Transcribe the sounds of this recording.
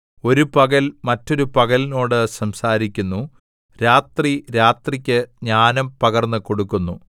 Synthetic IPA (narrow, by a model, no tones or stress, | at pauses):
o̞ɾupɐɣɐlmɐtːo̞ɾupɐɣɐlino̞ːɽɨsɐmsaːɾikʲːunːu | ɾaːt̪riɾaːt̪rikʲːɨɲaːnɐmpɐɣɐrnːɨko̞ɽukːunːu